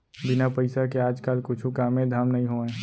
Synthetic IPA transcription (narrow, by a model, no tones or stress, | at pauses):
bɪnapəɪsakeaːd͡ʒkaːlkʊt͡ʃʰukaːmẽd̪ʱaːmnɐɦĩɦoːɛ̃ː